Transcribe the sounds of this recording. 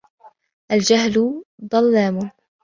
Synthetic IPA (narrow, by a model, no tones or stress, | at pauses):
ʔald͡ʒaɦlʊd̪ˤɑlːaːmʊn